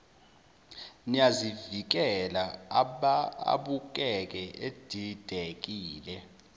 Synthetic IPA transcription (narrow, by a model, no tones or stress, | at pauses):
nijazivik̬ɛla | a̰ɓuk̬ɛk̬ɛʔed̥ʱid̥ʱek̬iːlɛ